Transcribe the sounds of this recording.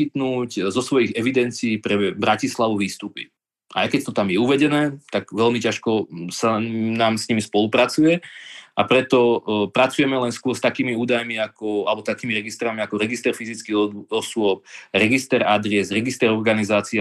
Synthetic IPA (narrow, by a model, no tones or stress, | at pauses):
it̪nuːczɔsʋɔjiɣɛʋid̪ɛnt͡siːpɾɛbɾacislaʋuʋiːst̪uːpḭ | ʔa̰jkɛct̪ɔt̪amjɛuʋɛɟɛnɛːt̪aɡʋɛlmicaʃkɔsanaːmsɲimispɔlupɾat͡sujɛapɾɛt̪ɔpɾat͡sujɛmɛlɛnskʊɔɾst̪akiːmiuːd̪ajmiakɔalɛbɔt̪akiːmiɾɛɡist̪ɾamiakɔɾɛɡist̪ɛɾfizit͡skiɣɔsʊɔp̚ɾɛɡist̪ɛɾad̪ɾɛzɾɛɡist̪ɛɾɔɾɡanizaːt͡si